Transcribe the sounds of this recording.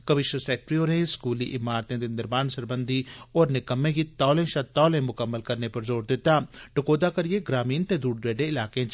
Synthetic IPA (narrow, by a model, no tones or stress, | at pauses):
kɐʋɪʃwəsɛːk̚ʈɾioːɾẽskuːliʔɪmaːɾt̪ẽd̪end̪ɪɾbaːnsɐɾbə̃nd̪ʱiɔːɾnɪkəmːẽkit̪aːlẽʃɐt̪ɔːlẽmʊkəmːəlkɐɾnepɐɾzoːɾd̪ɪt̪aːʈʊkoːd̪akɐɾieɡɾaːmiːnt̪ẽd̪uːɖɾeːɖẽɪlaːkẽt͡ʃ